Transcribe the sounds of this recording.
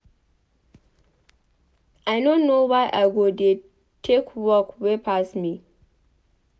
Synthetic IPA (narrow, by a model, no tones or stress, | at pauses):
ʔaɪnõnːowaɪʔaɪɡode | tʰekʰwɔkwepʰasmi